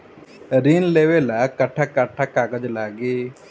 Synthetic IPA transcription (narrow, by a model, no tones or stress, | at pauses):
ɾiːnleːʋeːlaːkəʈʰːaːkaʈʰːaːkaːɡəd͡ʒlaːɡeː